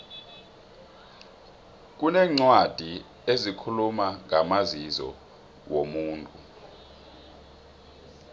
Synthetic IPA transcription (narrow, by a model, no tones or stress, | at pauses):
k̬ʼunɛːŋ͡ǀwad̥ʱi | ezikʰulumaŋʱamazizɔ̰ | womuːntʼu